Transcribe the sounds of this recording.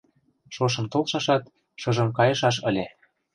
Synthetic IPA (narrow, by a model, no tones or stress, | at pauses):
ʃoʃ̬ɤ̆mt̪olʃɑʃɑt̪ | ʃɤ̆ʒɤ̆mkɑjɤʃɑʃə̰̆lʲe